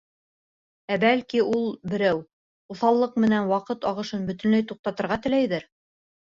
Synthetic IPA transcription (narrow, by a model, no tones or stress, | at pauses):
æbælkiulˠbɘ̆ɾæw | uθɑlˠːɤq̚mɘ̆nænwɑqɤt̪ɑʁɤ̆ʃɤnbɵ̆t̪ɵ̆nlæjt̪uq̚t̪ɑt̪ɤ̆ɾʁɑt̪ɘ̆læjðɘɾ